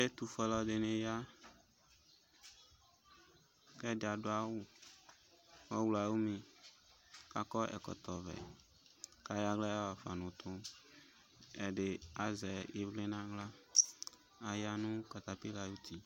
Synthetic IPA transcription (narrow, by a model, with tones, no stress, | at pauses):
e˦t̪u˨fɔ˨lɔ˨d̪e˨nẽ˨ja˦ | kɛ˦da˨ɖo˦a˦wu˦ | wɔ˦wla˨wu˦mẽ˨ | ka˦kɔ˦ʔɛ̰˨kɔ̰˨t̪ɔ˨vɛ̰˨ | ka˨ja˦ɡla˦ja˦wa˨fa̰˨nʊ̃˨t̪ʊ̃˦ | e˨ɖe˨a˨zɛ˨je˨vle˦nã˦ɡla˦ | a˨ja˦nũ˦ka˨t̪a˨pi˦la˨ju˦t̪i˦